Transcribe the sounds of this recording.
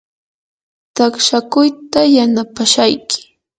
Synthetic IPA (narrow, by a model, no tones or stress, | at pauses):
t̪akʃakʊjt̪ajanapaʃajkɪ̥